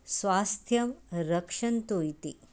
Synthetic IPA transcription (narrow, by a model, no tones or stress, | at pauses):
sʋaːst̪ʰjɐmɾɐkʂɐnt̪uːjt̪i